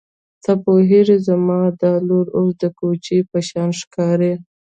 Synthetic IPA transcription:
t̪apoɦeɾizamɑd̪ɑloɾos̬d̪əkot͡ʃipəʃɑnʂkɑɾe

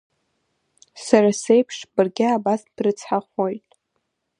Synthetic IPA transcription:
saɾase̞jpʰʂbɨrɡʲɪabasb̥rɨt͡sʰħaχʷojtʼ

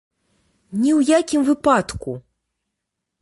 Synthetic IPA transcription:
nʲiwjakʲimvɨpat̪ku

